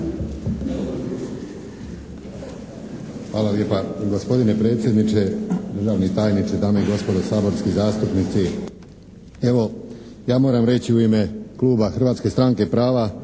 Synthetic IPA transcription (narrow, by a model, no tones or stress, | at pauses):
xʋaːlalje̞ːpaɡo̞spo̞d̪ine̞pɾe̞ːt̪sje̞d̪nit͡ʃe̞d̪ɾr̩ʒaːʋnit̪aːjnit̪sed̪aːmoiɡo̞spo̞d̪osaːbo̞ɾskizaːst̪upnit̪si | e̞ʋo̞ | jaːmo̞ːɾamɾe̞t͡ɕiuime̞klˠuːbaxr̩ʋaːt̪ske̞st̪ɾaŋke̞pɾaːʋa